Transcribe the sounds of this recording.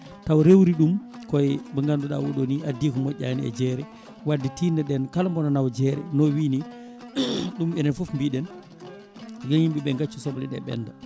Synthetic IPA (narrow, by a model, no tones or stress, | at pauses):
tawɾewɾiɗumkɔjbəŋɡanduɗa̰wɔɗoniʔadikumɔɟaniɛ̰d͡ʒɛɾɛ | waditiːndaɗɛnkalambɔnanawd͡ʒɛɾɛ̰nɔwiːni | ɗumɛnɛnfɔfmbiɗɛn | ɡejimbiɓɛŋɡat͡ʃːusɔblɛɗɛ̰ɓɛ̰nda